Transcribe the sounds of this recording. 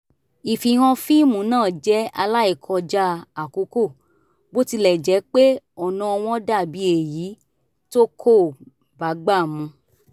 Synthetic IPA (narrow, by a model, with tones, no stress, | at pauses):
i˨fi˨ɾ̃ɔ̃˧fĩ˦mũ˨˦nãː˦˨d͡ʒɛ˦a˧la˦i˦˨kʰɔ̃˧d͡ʒa˦˧a˨ko˨˦ko˦˨ | bo˦ti˧lɛ˦˨d͡ʒɛ˨˦k͡pe˦ | ɔ˨nã˧˦ɔ˧w̃ɔ̃˦da˦˨bi˨˦e˨ji˨˦ | to˦kʰo˦˨ | ba˨˦ɡ͡ba˦˨mũ˧